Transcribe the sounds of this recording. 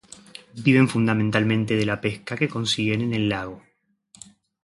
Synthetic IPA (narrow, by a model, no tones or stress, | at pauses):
biβe̞ɱfund̪ament̪almẽ̞nt̪e̞ð̞e̞lape̞skake̞ko̞nsiɣenene̞lːaɣ̞o̞